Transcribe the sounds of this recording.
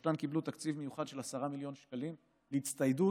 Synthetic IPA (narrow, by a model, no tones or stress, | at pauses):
tankiblut̪akt͡sivmejuχad̪ʃe̞lasaʁamiljo̞nʃkalim | leit͡st̪ajdu